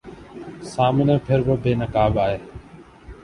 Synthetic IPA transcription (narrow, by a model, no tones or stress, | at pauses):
saːmɪnẽːpʰɪɾbəbʱeːnəkaːbaːɦeː